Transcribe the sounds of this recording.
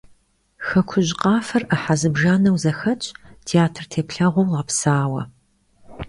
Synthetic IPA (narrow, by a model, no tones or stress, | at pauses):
xɐkʷʰʊʑqʼɑːfɐrəħazɨbʒaːnɐwzɐxɐt͡ʃʼtʰiaːtʰrtʰeːpɬɐʁʷɔwlaːpsaːwɐ̰